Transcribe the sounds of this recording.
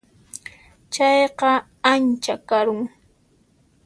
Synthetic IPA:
t͡ʃɑjqɑ | ant͡ʃakaɾʊŋ

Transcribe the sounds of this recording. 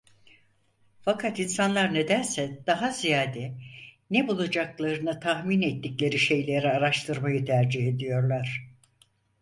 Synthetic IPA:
fakʰat̪insanlˠaɾne̞d̪æɾsɛd̪̥aɦazijaːd̪ɛnebulˠad͡ʒaklˠaɾɯnɯt̪ʰahminɛt̪ːiclʲe̞ɾiʃe̞jlʲe̞ɾiaɾaʃt̪ʰɯɾmajɯt̪ʰæɾd͡ʒiɦe̞d̪ijo̞ɾlˠaɾ̥

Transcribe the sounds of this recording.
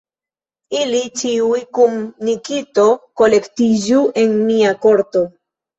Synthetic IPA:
ilit͡ʃiujkumnikito̞ko̞le̞ktid͡ʒuʔe̞nmiakoɾto̞

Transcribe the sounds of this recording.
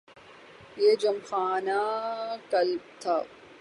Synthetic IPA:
jeːd͡ʒɐmxaːnakɐlb̚t̪ʰaː

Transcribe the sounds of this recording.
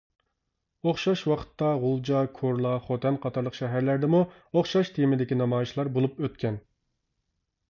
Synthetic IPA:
oχʃɑʃwɑqʰə̥t̪ːɑʁʊlˠd͡ʒɑkʰoɾlˠɑχot̪ʰɛnqʰɑt̪ʰɑɾlˠəqʃɛɦæɾlæɾd̪ɪmu | oχʃɑʃt̪ʰemɪd̪ɪkʲinɑmɑːjʃlˠɑɾbolˠupøt̪̚kʲʰɛn

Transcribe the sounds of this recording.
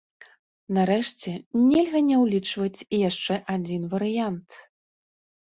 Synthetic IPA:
naɾɛʂt͡sʲɛnʲɛlʲɣɐnʲɛwlʲit͡ʂvɐt͡sʲijaʂt͡ʂɛʔad͡zʲinvɐɾɨjant̪

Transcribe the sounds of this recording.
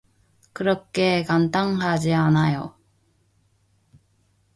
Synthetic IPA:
kɯɾʌk͈e̞kant̪aŋhad͡ʑianajo

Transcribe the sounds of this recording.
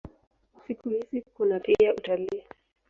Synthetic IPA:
sikuhizikunapiautaliː

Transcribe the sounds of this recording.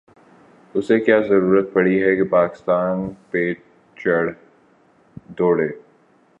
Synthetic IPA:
ʊsekjaːzɐɾuːɾət̪̚pɐɽ̤iɦɛkepaːkɪ̥st̪aːnpe | t͡ʃɐɽ | d̪oːɽeː

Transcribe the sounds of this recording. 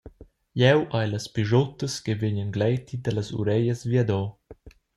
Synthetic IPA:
jɛwʔajlɐspiʒot̪əskeveɲənɡlɛjt̪ʰid̪ɐlɐsṵɾɛjəzvjad̪ɔ

